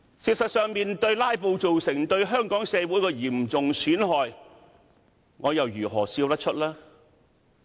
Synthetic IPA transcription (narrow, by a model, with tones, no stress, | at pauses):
siː˧t̚sɐ˨t̚sœː˨ŋmiː˨nt̪ɵ˧ɥlaː˥jpo˨˧wt͡so˨wsɪ˨˩ŋt̪ɵ˧ɥɦœː˥ŋkɔː˨˥ŋsɛː˨˧wuː˨˥jkɛː˧jiː˨˩mt͡sʊ˨ŋsʰyː˨˥nɦɔː˨j | ŋɔː˨˧jɐ˨wjyː˨˩ɦɔː˨˩siː˧wt̪ɐ˥t̚t͡ʃʰɵ˥t̚laː˥